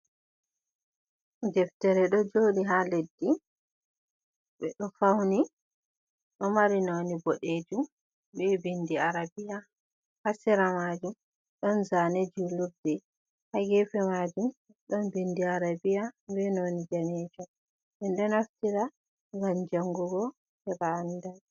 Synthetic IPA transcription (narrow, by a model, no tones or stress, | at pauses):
d͡ʒɛftɛɾɛɗɔd͡ʒoːɗiɦaledːi | ɓɛɗɔfawni | ɗɔmaɾinoniboɗed͡ʒum | bɛbindiaɾabija | hasɛɾamad͡ʒum | ɗɔnzaned͡ʒuluɾdɛ | haɡɛfɛmad͡ʒum | ɗɔnbindiaɾabijabɛnonid͡ʒanɛd͡ʒɔ | ɓɛndɔnaftiɾa | ŋɡamd͡ʒaŋɡuɡɔ | hɛbaːndal